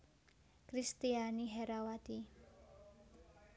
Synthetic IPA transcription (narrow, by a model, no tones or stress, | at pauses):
kɾist̪ianiɦɛɾawat̪i